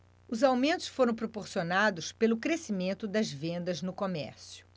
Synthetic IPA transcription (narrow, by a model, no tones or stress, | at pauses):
ʊzawmẽnt̪ʊ̥sfoɾɐ̃w̃pɾopoɾsionad̪ʊspelʊkɾesimẽnt̪ʊd̪ɐzvẽnd̪ɐznʊkomɛ̰ɾsjʊ